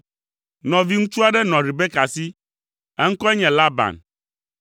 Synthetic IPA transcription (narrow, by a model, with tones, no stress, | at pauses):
nɔ̃˨vi˦ŋũ˦t͡ʃu˦a˦ɖɛ˦nɔ̃˨ɖi˨bɛ˦ka˨si˦ | ɛ˦ŋ̩˦kɔ˦ɛ˦ɲɛ̃˨la˦ba̰˨n